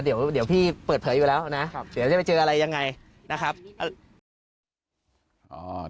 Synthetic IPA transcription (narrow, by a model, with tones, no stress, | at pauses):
di˨˩˦əwdi˨˩˦wpʰiː˥˩pɤː˨˩t̚pʰɤː˩˦juː˨˩lɛː˦˥wna˦˥˧d̪i˨˩˦wt͡ɕa˥˩pa˧jt͡ɕɤː˧ʔa˧ɾa˧jːa˧ŋːa˧j | na˦˥kʰa˦˥p̚ʔ | ʔɔː˩